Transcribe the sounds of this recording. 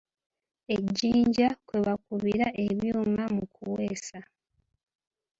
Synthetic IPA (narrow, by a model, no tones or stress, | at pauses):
e̞ɟːiːɲɟakwe̞βakuβiɾaʔe̞βjuːmamukuwe̞ːsa